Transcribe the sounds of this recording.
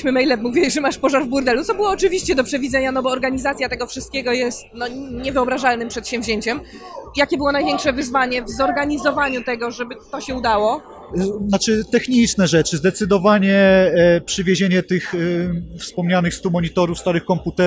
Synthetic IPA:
ɕmɘmɛjlɛmːuvʲjɛʐɛmaʂpɔʐaɾvbuɾd̪ɛlut̪sɔbɘwɔːt͡ʂɘvʲiɕt͡ɕɛd̪ɔpʂɛvʲid̪zɛɲanɔbɔːɾɡaɲizat̪sʲjat̪ɛɡɔfʂɨst̪kʲeɡɔjɛst̪̚nɔɲɛvɘɔbɾaʐalnɘmpʂɛt̪ɕɛ̃wvʑeɲt͡ɕɛm | jakʲɛbɘwɔnajvʲɛŋkʂɛvɘzvaɲɛvzɔɾɡaɲizɔvaɲut̪ɛɡɔʐɛbɘt̪ɔɕɛud̪awɔ | nat͡ʂɘt̪ɛxɲit͡ʂnɛʐɛt͡ʂɘzd̪ɛt̪sɘd̪ɔvaɲɛpʂɘvʲjeʑeɲɛt̪ɘxfspɔmɲanɘxst̪umɔɲit̪ɔɾufst̪aɾɘxkɔmput̪ɛ

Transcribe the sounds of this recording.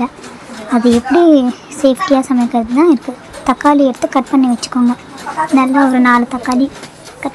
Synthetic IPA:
ɐ | ɐðɯɛpːɐɽi | seːfʈɪjaːsɐmɐjkːɐɾɐðɯt̪ãːɪɾɯkːɯ | t̪ɐkːaːliɛɽɯt̪ːɯkɐʈ̚pɐɳːiʋɐt͡ʃːɯ̥kːoːŋɡɐ | nɐlːɐɔɾɯnaːlɯt̪ɐkːaːli | k

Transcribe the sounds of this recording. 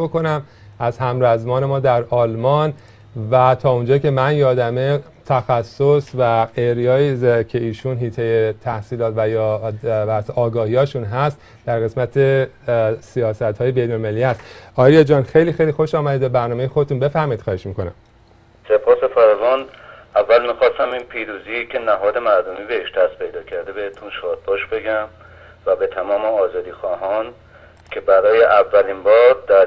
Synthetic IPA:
oko̞næm | æzhæmɾæzmɒːne̞mɒːd̪æɾɒːlmɒn | væt̪ʰɒːund͡ʒɒːcʲe̞mænjɒːd̪æme̞ | t̪ʰæxæsːosvæeɾjɒːicʰe̞iːʃunɦiːt̪ʰejet̪ʰæhsiːlɒːt̪væjɒːbæɾseʔɒːɡɒːhiːjɒːʃuːnɦæst̪ | d̪æɾɣe̞smæt̪ʰe | sijɒːsæt̪hɒːje̞bejnolmeliːhæst̪ɒːɾijed͡ʒɒːnxe̞jliːxe̞jliːxo̞ʃɒːmæd̪id̪be̞bæɾnɒːmejexodet̪unbe̞fæhmɒiːd̪̥xɒːheʃmiːkonæ̰m | sepʰɒːsefæɾvɒːnævːælmixɒːst̪æmiːnpʰiːɾuːziːcʰenæɦɒːd̪e̞mæɾd̪omiːbeheʃd̪æst̪̚pʰe̞jd̪ɒːcʰæɾd̪ebehet̪ʰunʃɒːd̪̚bɒːʃbe̞ɡæm | væbet̪ʰæmɒːmeɒːzɒːd̪iːxɒːɦɒːn | cʰe̞bæɾɒːjeʔævːælinbɒːɾd̪æɾ

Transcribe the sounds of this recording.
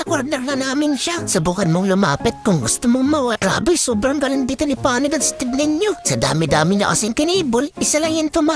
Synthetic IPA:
sɐkwaɾnɛɾnɐnaːmɪnʃasɐbukad̪̚moŋlʊma̰ːpɪt̪̚kʊŋɡʊst̪ʊmoŋmawaɾa̰ːbɪjsoːbɾaŋɡɐlanbit̪ʊnɪpaːnɪd̪ɐŋst̪ɪb̚nɪnjosɐd̪a̰ːmɪd̪aːmɪla̰ʔa̰sɪŋkɪniːbʊlɪsalaŋɪnpoma

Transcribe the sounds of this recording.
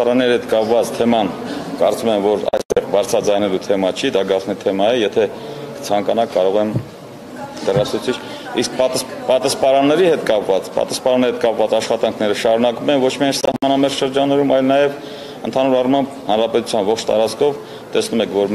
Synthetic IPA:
ɑɾɑnːɛɾiɦɛt̪kɑpvɑt͡st̪ʰɛmɑnkɑɾt͡sumɛmvɔɾɑ̰jst̪ɛʁbɑɾt͡sʰɾɑd͡zɑjnɛlut̪ʰɛmɑt͡ʃʰid̪ɑɡɑt͡sʰnit̪ʰɛmɑjɛjɛt̪ʰɛ | kə̥t͡sʰɑŋkɑnɑkːɑɾɔʁɛm | d̪ərɑsʰut͡sʰit͡ʃʰ | isk̚pt̪pɑt̪ɑspɑɾɑnːɛɾihɛt̪kɑpvɑt͡spɑ̰t̪ɑ̥spɑɾɑnɛɾihɛt̪̚kɑpvɑt͡sɑʃχɑt̪ɑŋkʰnɛɾəʃɑɾunɑkumɛnvɔt͡ʃʰmiɑjnsɑhmɑnɑmɛɾsʃəɾd͡ʒɑnːɛɾumɑjlnɑjɛv | ənt̪ʰɑn̪uɾɑrmɑmbhɑnɾɑpɛt̪u̥t͡sʰjɑnvɔχt͡ʃʰt̪ɑ̰ɾɑt͡skʰɔv | t̪ɛsnumɛkʰvɔɾ

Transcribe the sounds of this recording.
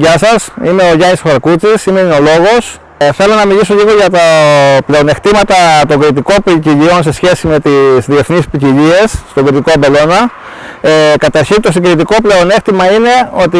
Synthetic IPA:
ʝɐsɐsime̞o̞ʝɐnisfɐɾkut͡sisimeino̞lo̞ɣo̞s | θe̞lo̞nɐmiʎiso̞ʎiɣo̞ʝɐt̪ɐple̞o̞ne̞xt̪imɐt̪ɐt̪o̞ŋɡɾit̪̬iko̞piciʎio̞nse̞sçe̞sime̞t̪izðie̞θnispiciʎie̞sːt̪o̞ŋɡɾit̪ikobe̞lo̞nɐ | ekɐt̪ɐɾçint̪o̞siŋɡɾit̪̬iko̞ple̞o̞ne̞xt̪imɐine̞o̞t̪i

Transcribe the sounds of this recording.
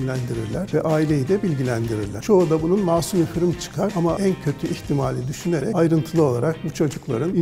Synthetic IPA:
lʲænd̪iɾiɾlʲæɾ̥vɛʔaːilʲe̞jid̪ɛbilʲɟilʲænd̪iɾḭɾlʲæt͡ʃʰo̞ːd̪abununmaːsumifɯɾɯmt͡ʃʰɯ̥kʰaɾamaʔæncʰø̞t̪ʰyʔiçt̪ʰimaːlʲid̪yʃyne̞ɾɛ̰ajɾɯnt̪ʰɯlˠɯo̞lˠaɾak̚but͡ʃʰo̞d͡ʒuklˠa̰ɾɯni

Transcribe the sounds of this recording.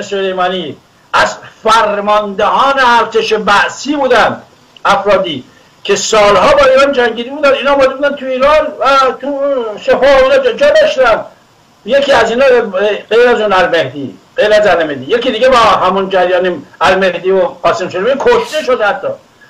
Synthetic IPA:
esolejmɑːni | æzfæɾmɒnd̪ehɒːneæɾt̪e̞ʃebæʔsiːbuːd̪ænd̪ | æfɾɒːd̪iː | kʰe̞sɒːlɦɒːbɒːiːɾɑnd͡ʒæŋɟiːd̪ibuːd̪ænd̪iːnɒːmɒːd̪ebuːd̪ænt̪ʰuiːɾɑnvæt̪uʃefɒːhoinɒd͡ʒd͡ʒɒːd̪æʃt̪ænd̪ | jekʰiːæziːnɒːɢejɾæzuːnælmehd̪ḭːɢ̥ejɾæzæɾnemed̪ije̞kiːd̪iːɡebɒɦæmund͡ʒæɾjɒːnimæɾme̞hd̪iːoqɒːsemʃod̪eminkʰoʃt̪e̞ʃod̪hæt̪ʰːɒ̰ː

